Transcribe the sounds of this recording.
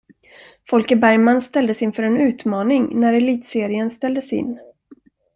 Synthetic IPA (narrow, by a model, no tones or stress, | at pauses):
fɔlkəbæɾjmanst̪ɛld̪əsɪnfœɾɛnʉ̟ːt̪mɑːnɪŋnæɾɛliːt̪seːɾɪənst̪ɛld̪əsɪ̰nː